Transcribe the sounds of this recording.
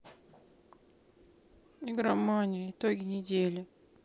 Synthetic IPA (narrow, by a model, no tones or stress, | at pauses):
iɡɾamanʲɪɪt̪oɡʲɪnʲɪdʲelʲɪ